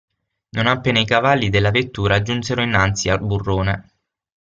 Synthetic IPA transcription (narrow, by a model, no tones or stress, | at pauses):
nonapːeːnaikavalːid̪elːavet̪ːuːɾad͡ʒunseɾoinːant̪sialburːoːne